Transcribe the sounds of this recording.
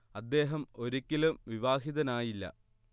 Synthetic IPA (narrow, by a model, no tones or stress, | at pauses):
ɐd̪ːe̞ːɦɐmo̞ɾikʲːilumʋiʋaːɦiðɐnaːjilːɐ̰